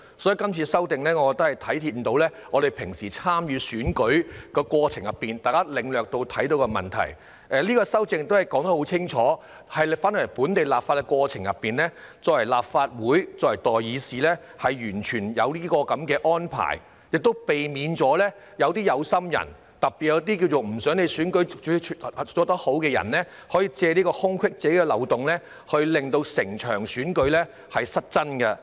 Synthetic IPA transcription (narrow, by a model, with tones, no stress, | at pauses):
sɔː˨˥ji˨˧kɐ˥mt͡sʰiː˧sɐ˥wt̪ɪ˨ŋlɛː˥ŋɔ˨˧kɔ˨˧kt̪ɐ˥hɐ˨˩jt̪ʰɐ˨˥jt̪ʰi˧˥m̩˨t̪o˨˧wlɛː˥ŋɔ˨˧ɾe˨jpʰɪ˨˩ŋsiː˨˩t͡sʰaː˥mjyː˧syː˨˥nkɵ˨˥ɥkɔː˧kwɔː˧t͡sʰɪ˨˩ŋjɐ˨pːiː˨nt̪aː˨jkaː˥lɪ˨ŋlœː˨k̚t̪o˧wt̪ʰɐ˨˥jt̪̬o˧wkɔ˧mɐ̰˨˩nt̪ʰɐ̰˨˩j | ʔɛ˨˧liː˥kɔː˧sɐ˥wt͡sɪ˧ŋt̪o˥whɐ˨˩jkɔː˨˥ŋt̪ɐ˧˥ho˨˥wt͡sʰɪ˥ŋt͡ʃʰɔː˨˥ | hɐ˨jfaː˥nə˨˩ɐ˨˩puː˨˥nt̪e˨jlaː˨p̚faː˧t̚kɛ˧kwɔː˧t͡sʰɪ˨˩ŋjɐ̰˨pːiː˨nlɛː˥t͡sɔː˧kwɐ˨˩jlaː˨pfaː˧t̚wuː˨˥jt͡sɔ˧˥wɐ˨˩jt̪ɔː˨jjiː˨˧siː˨lɛː˥hɐ˨jːyː˨˩nt͡ʃʰyː˨˩njɐ̰˨˧wliː˥kɔː˧kɐ˨˧˥mkɛː˧ʔɔː˥npʰa̰ː˨˩j | jɪ˨k̚t̪o˥wpe˨jmiː˨˧nt͡sɔː˨˥lɛː˥ | jɐ˨˧wt̪iː˥jɐ˨˧wsɐ˥mjɐ̰˨˩n | t̪ɐ˨k̚pi˨˩jɐ˨˧˥t̪̬iː˥k̬i˧wt͡so˨wm̩˨˩sœː˨˥ŋne˨˧syː˨˥nkɵ˨˥ɥʰt͡sɔː˨˥t̪ɔː˥ho˨˥wkɛː˧jɐ̰˨˩nlɛː˥ | hɔː˨˥jiː˧t͡sɛː˧niː˥kɔː˧hʊ˥ŋkʰwɪ˥k̚t͡sɛː˨˥kɛː˧lɐ̰˨˩wt̪ʊ˨ŋlɛː˥ | hɵ˧ɥlɪ˨ŋt̪o˧wsɪ˨˩ŋt͡ʃʰœ̰ː˨˩ŋsyː˨˥nkɵ˨˥ɥlɛː˥ | hɐ˨jsɐ˥t̚t͡sɐ˥nkɐ˧